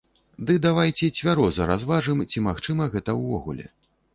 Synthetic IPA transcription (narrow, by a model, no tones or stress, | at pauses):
d̪ɨd̪avajt͡sʲɛt͡sʲvʲaɾɔzɐɾazvaʐɨmt͡sʲimaxt͡ʂɨmɐɣɛt̪ɐwvɔɣṵlʲɛ̰